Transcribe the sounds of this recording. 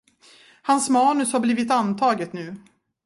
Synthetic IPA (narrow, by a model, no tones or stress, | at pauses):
hansmɑːnɵshaɾbliːvɪt̪ant̪ʰɑːɡət̪nʉ̟ː